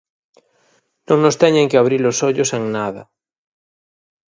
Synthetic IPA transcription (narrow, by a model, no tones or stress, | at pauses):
nõŋnost̪ɛɲeŋkɪaβɾilosɔʎʊseŋnaðɐ̰